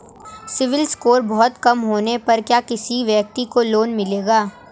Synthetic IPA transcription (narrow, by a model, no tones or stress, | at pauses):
sɪʋɪlskoːɾbɔɦɔt̪kɐmɦoːnepɐɾkjaːkɪsiʋjɐk̚t̪ikoloːnmɪleːɡaː